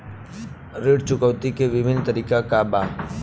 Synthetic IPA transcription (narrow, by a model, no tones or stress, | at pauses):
ɾeːɽt͡ʃʊkəʋt̪ikeʋɪbʱɪnt̪əɾiːkakabaː